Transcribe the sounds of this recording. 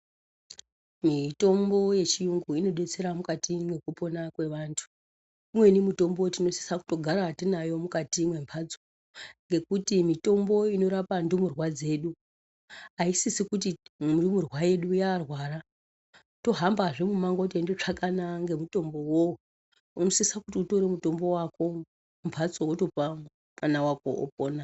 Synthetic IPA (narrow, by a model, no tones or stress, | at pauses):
mito̞mbo̞je̞t͡ʃijuŋɡuino̞ɗe̞t͡se̞ɾamukatiŋɡe̞kupo̞nakwe̞ʋaːntʰu̥ | imwe̞nimuto̞mbotino̞si̥saku̥to̞ɡʱaɾaːtinajo̞mukatimwe̞mpʰad͡zo | ŋɡe̞kutimito̞mbo̞ino̞ɾapandumurwad͡ze̞ːɗu | ɦaisisikut̬idumurwaje̞ɗujaːrwaːra | to̞ɦambaʐemumaŋɡotendot͡ʂakanaŋɡe̞muto̞mbo̞wo | uno̞sisakutiuto̞ɾemuto̞mbo̞wako̞ | umpʰat͡sowoto̞pa | manawako̰o̰p̚oːna